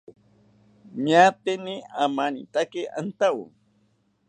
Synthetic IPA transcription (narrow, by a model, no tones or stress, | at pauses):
ɲat̪ɪniamanḭt̪akɪa̰nt̪awṵ